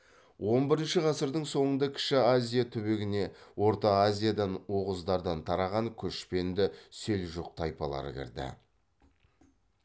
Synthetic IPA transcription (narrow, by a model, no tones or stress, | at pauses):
wʔo̞nbɪɾɪnʃɪʁɑsəɾd̪əɴso̞ɴənd̪ɑkʲʰɪ̥ʃɪazʲijat̪ʰʏbeɡʲɪne̞wo̞ɾt̪ɑːzʲijad̪ɑnwo̞ʁəzd̪ɑɾd̪ɑnt̪ʰɑɾɑʁɑŋkʲʰɵʃpe̞nd̪ɪselʒuq̚t̪ʰɑjpɑlˠɑ̰ɾə̰kʲʰɪ̰ɾd̪ɪ̰